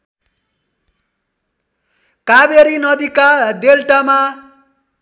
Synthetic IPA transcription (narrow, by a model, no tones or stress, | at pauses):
kabeɾinʌd̪ikaɖelʈama